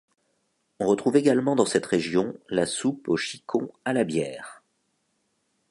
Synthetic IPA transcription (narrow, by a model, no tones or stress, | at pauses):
ɔ̃ʁət̪χuveɡalmɑ̃d̪ɑ̃sɛt̪ʁeʒjɔ̃lasupoʃikʰɔ̃alabjɛːʁ